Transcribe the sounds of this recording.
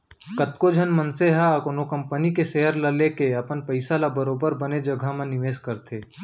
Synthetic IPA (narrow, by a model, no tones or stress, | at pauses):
kət̪kod͡ʒʱənmənseɦakonokə̃mpənikeseɦəɾlɐlekeɐpənpəɪsalabəɾoːbəɾbəned͡ʒɐɡʱamẽnɪʋeːskəɾt̪ʰeː